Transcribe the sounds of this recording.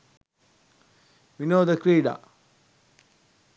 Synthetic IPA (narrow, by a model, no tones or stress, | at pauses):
minoːd̪əkɾiːɖa̰